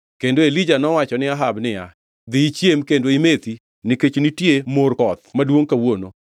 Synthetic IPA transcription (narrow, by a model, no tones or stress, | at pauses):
kendoelid͡ʒanɔwat͡ʃɔnɪaɦabnɪja | d̪ɪːt͡ʃjemkendoimet̪i | nɪket͡ʃnitjemorkɔt̪̚madwoŋkawono